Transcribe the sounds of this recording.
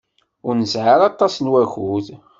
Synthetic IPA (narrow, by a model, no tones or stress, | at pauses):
ʊɾnəsʕaɾɑt̪ˤːɑsnwæxuð